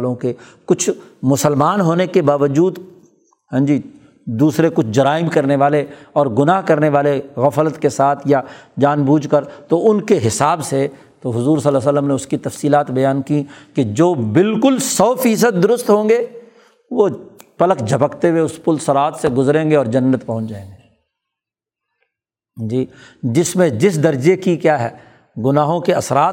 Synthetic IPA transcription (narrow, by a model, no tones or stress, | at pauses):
lõke | kʊt͡ʃʰmʊsəlmaːnɦoːnekebaːʋəd͡ʒuːd̪ | ɦɛ̃ːd͡ʒi | d̪uːsɾekʊt͡ʃʰd͡ʒɐɾaːɪmkɐɾneʋaːleɔːɾɡʊnaːɦkɐɾneʋaːleɣɐflət̪kesaːt̪ʰjad͡ʒaːnbuːd͡ʒkəɾt̪oʊnkeɦɪsaːbse | t̪oɦʊzuːɾsɐlas̬əlːəmneʊskit̪ɐfsiːlaːt̪bɐjaːnkiked͡ʒoːbɪlkʊlsɔːfiːs̬əd̪̚ːʊɾʊst̪ɦõːŋɡe | ʋopɐləkd͡ʒʱɐpəkt̪eweʊspʊlsɐɾaːt̪seɡʊzɾẽːɡeɔːɾd͡ʒɐnːət̪pɐ̃ɦʊ̃t͡ʃd͡ʒaːẽːŋɡeː | d͡ʒiːd͡ʒɪsmẽd͡ʒɪs̬d̪ɐɾd͡ʒekikjaːɦɛː | ɡʊnaːɦõkeɐsɾaːt̪̚